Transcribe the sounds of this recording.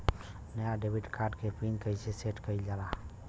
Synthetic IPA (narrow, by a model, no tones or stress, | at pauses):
nəjaɖebʱiʈkʰaɾɖkepʰinkəjsʰeseʈkəjld͡ʒala